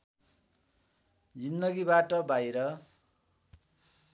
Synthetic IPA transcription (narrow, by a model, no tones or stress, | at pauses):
d͡zind̪ʌɡibaʈʌbajɾʌ